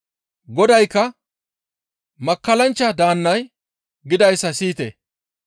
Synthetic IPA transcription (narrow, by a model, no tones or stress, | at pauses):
ɡɔd̪ɐjkːɐ | mɐkːɐlɐnt͡ʃːɐd̪aːnːɐj | ɡɪd̪ɐjsːɐsiːt̪ḛ